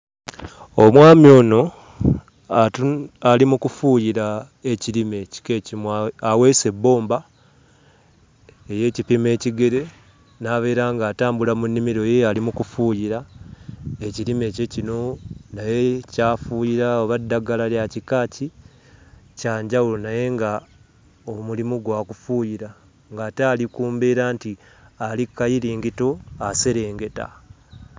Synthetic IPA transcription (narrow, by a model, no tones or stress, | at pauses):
omwaːmio̞ːno̞ | atualimukufuːjiɾa | e̞cilime̞ci̥kecimawe̞ːse̞bːo̞ːmba | eje̞ːcipime̞ːciɡe̞ɾe̞ | naːβe̞ːɾaːŋɡaːtaːmbulamunːimiɾo̞jealimukufuːjiɾa | e̞ciɾime̞ːce̞cino̞naje̞caːfuːjiɾaoβadːaɡalaljacikaːci | caːɲɟawulonaje̞ŋɡa | omulimuɡwaːkufuːjiɾa | ŋɡaːtaːlikuːmbeːɾaːnti | alikːajiɾiːŋɡito̞ase̞ɾe̞ːŋɡe̞ta̰